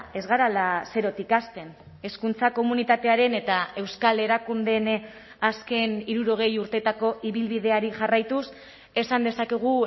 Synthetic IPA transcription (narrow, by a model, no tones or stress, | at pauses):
e̞zɣaɾalase̞ɾo̞t̪ikast̪e̞n | e̞skunt͡sako̞munit̪at̪e̞aɾe̞ne̞t̪ae̞wskale̞ɾakund̪e̞n | aske̞niɾuɾo̞ɣ̞e̞juɾt̪e̞t̪ako̞ʔiβilβið̞e̞aɾiʝarajt̪us | e̞sand̪e̞sake̞ɣ̞u